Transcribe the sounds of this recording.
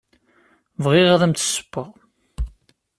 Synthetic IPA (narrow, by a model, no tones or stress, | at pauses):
vʁɪʁðæmt̪ə̥sːə̥pːəʁ